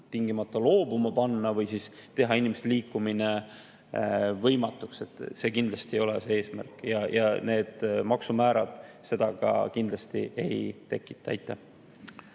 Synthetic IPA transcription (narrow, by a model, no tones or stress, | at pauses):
t̪iŋɡimɑt̪ːˑɑlo̞ːbumɑpɑnːɑvɯjsist̪e̞ɦɑinʲimest̪eliːkːumine | vɤjmɑt̪ːˑukse̞t̪ˑse̞ːkind̪lɑst̪iejo̞lɛse̞e̞ːsmæ̰rkˑjɑjʔɑ̰ne̞ːd̪̥mɑksumæːɾɑd̪̥se̞d̪̥ɑɡɑ̰kind̪lɑst̪ḭʔe̞̰jt̪e̞kːˑi̥t̪ːˑɑɑ̰jt̪ːˑæ